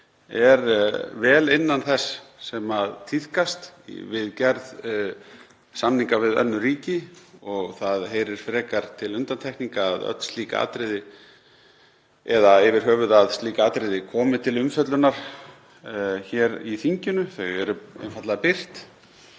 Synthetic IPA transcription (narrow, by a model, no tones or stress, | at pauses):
ɛɾvɛːlɪnːanθɛsːɛmaðt̪ʰiθkast̪vɪðcɛɾð | samniŋkavɪðœ̰nːʏɾiːcɪɔɣθaðɦeːjɾɪɾ̥fɾɛːkaɾ̥t̪ʰɪlʏnt̪ant̪ʰɛhkniŋkaːðœ̰t̪l̥st̪liːka̰a̰ːt̪ɾɪðɪ | ɛðaɪvɪɾ̥ɦœːvʏðaðst̪liːkaaːt̪ɾɪðɪkʰɔːmɪt̪ʰɪlʏmfœt̪lʏnaɾ̥ | çɛːɾiθiɲcʏnʏθœɣɛɾʏɛ̰nfat̪laðapɪr̥t̪